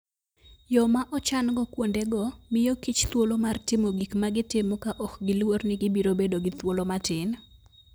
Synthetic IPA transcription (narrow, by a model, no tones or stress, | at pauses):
jɔmaʔɔt͡ʃanɡɔkwondeɡɔmɪjokit͡ʃt̪wolomartɪmoɡikmaɡɪtɪmɔkaʔɔkɡɪlwornɪɡɪbiɾobedoɡɪt̪wolomatɪn